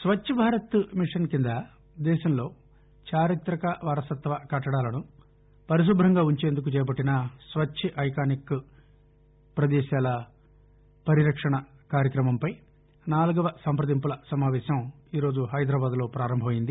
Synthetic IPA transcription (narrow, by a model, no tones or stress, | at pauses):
sʋɐt͡ʃt͡ʃʰːɐbʱaːɾɐt̪miʂɐnkind̪ɐ | d̪ɛːʃɐmlo̞ː | t͡ʃaːɾit̪ɾɐkɐʋaːɾɐsɐt̪ʋɐkɐʈːɐɽaːlɐnu | pɐɾis̬ubɾɐŋɡaːuɲt͡ʃe̞ːnd̪uk̬ut͡ʃɛːp̬ɐʈːinɐsʋɐt͡ʃt͡ʃʰiʔɐjkaːnikː | pɾɐd̪ɛːʃaːlɐ | pɐɾiɾɐkʂɐɳɐ | kaːɾjɐkɾɐmɐmpɐj | naːluɡɐʋɐsɐmpɾɐd̪impulɐsɐmaːʋɛːʃɐmiːɾo̞ːd͡ʒuɦɐjd̪ɾaːbaːd̪lo̞ːpɾaːɾɐmbʱɐmɐjind̪i